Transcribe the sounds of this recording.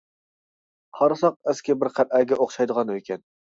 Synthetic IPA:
qʰɑɾɨsɑq̚æskʲɛbɪɾqʰæɾʔæɡʲɛʔoχʃɑjd̪əʁɑnøkʲɛn

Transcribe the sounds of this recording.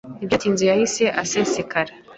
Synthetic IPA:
ibjatiːnzijahiseʔasesekaɾa

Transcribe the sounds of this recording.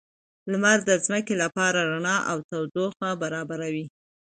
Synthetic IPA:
lmaɾd̪əzməkelapɑɾaɾaɳɑʔawt̪awd̪oxabaɾɑbaɾawi

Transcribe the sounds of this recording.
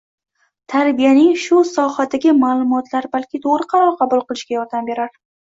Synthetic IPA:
t̪ʰaɾbijanɪŋʃʊsɒhad̪aɡʲɪmaːlˠʊmɒt̪laɾbalkʲɪt̪ʰoʁɾɨqʰɑɾɒɾqʰɑbʊlˠqɨlˠɪʃkʲajɒɾd̪ambe̞ɾaɾ

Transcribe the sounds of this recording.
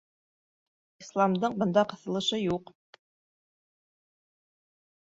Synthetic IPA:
islˠɑmd̪ɤɴbɤ̆nd̪ɑqɤ̆θɤ̆lˠɤ̆ʃɤjuq

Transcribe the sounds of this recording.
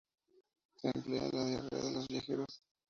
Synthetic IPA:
seːmplea̰laðjarḛa̰ðelozβjaxeɾos

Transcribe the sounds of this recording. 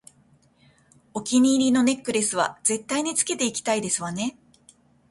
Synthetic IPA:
o̞kʲiɲ̟iːɾʲino̞ne̞kːɯ̟ɾe̞sɨβa̰ze̞t̪ːaiɲ̟it͡sɨ̥ke̞t̪e̞ikʲi̥t̪aid̪e̞sɨβane̞

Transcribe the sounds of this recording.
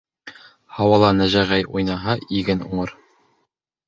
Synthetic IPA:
hɑwɑlˠɑnæʒæʁæjujnɑɦɑʔiɡɘnṵɴɤɾ

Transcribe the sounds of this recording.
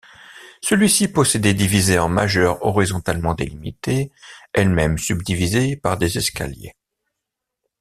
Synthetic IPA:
səlɥisipɔsed̪ed̪ivizeɑ̃ma̰ʒœʁɔʁizɔ̃t̪almɑ̃d̪elimḭt̪eɛlmɛmsybd̪ivizepaʁd̪ezɛska̰ljḛ

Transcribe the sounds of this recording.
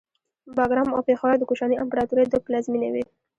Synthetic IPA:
bɑɡɾɑmawpexawaɾd̪əkuʃɑniampaɾɑt̪uɾed̪əplazminḛwi

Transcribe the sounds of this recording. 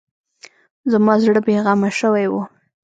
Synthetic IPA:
zamɑzɽəbeɣɑmaʃəwajwu

